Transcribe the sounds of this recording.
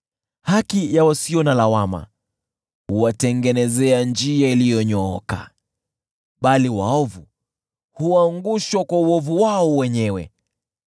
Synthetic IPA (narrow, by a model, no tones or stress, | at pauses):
hakijawasiɔnalawama̰ | huwatɛŋɡɛnɛzɛand͡ʒiailijɔɲɔɔka̰ | ɓaliwa̰ɔvu | huaŋɡuʃwakwauɔvuwaɔwɛɲɛwɛ̰